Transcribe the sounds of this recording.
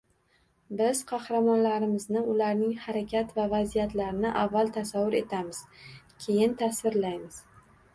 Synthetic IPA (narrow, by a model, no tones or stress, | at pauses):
bɪz̥qʰɑhɾamɒnlaɾɪmɪznɪʊlaɾnɪŋhaɾakʲʰat̪vavazijat̪laɾɪnɪʔavːalˠt̪ʰasavːʊɾe̞t̪ʰamɪz̥kʲʰe̞jɪnt̪ʰasvɪɾlajmɪz̥